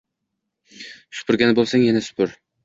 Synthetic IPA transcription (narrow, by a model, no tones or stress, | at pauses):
ʃʊ̥pʰʊɾɡʲanɪbolˠsaŋjanasʊ̥pʰʊɾ